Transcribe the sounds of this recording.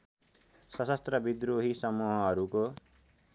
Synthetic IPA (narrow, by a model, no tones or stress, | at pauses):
sʌsʌst̪rʌbid̪roɦisʌmuɦʌɦʌɾuko